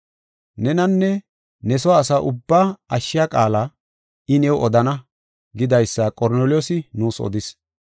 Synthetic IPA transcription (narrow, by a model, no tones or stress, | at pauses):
nɛnɐnːɛ | nɛsɔaːsɐʔʊbːaːɐʃːɪjakʼaːlɐ | ɪnɛwʔɔd̪ɐnɐ | ɡɪd̪ɐjsːɐkʼɔɾneːlɪjɔːsɪnuːsɔ̰d̪ɪs